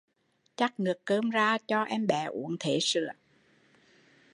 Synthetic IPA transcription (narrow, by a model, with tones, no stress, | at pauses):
t͡ɕa˦˥k̚ŋɨ˨˩əkːəː˧mzaː˧t͡ɕɔ˧ʔɛ˧mɓɛ̰˧˩ʔṵ˧˩ənt̪ʰe˧˩˦sɨ̰˧˨ə